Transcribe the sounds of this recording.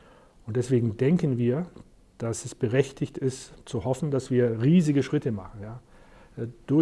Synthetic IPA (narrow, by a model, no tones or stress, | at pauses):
ʔʊnt̚d̥ɛsv̥eːɡŋ̩dɛŋkənviːɐ | d̥asɛsb̥əʁɛçtʰɪçtɪstt͡suhɔfn̩d̥asv̥iːɐʁiːzɪɡəʃʁ̥ɪtəma̰χn̩jaː | d̥ʊɐ